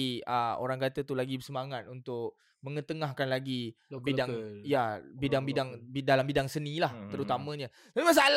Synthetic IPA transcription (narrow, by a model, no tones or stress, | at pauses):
iəo̰ɾaŋkat̪ət̪ulaɡibəsəmaŋat̪̚unt̪ʊk̚ | mə̃ŋət̪əŋahkanlaɡibidaŋjabidaŋbidaŋbidalambidaŋsənĩlaht̪əɾut̪amə̃ɲã | t̪apimas̬aal